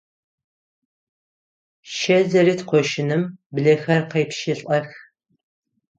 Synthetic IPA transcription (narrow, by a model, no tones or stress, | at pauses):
ʃɐzɐɾiːtqʷɔʃɪnɨmbɮɐxɐrqɐjpʃiɬʼɐx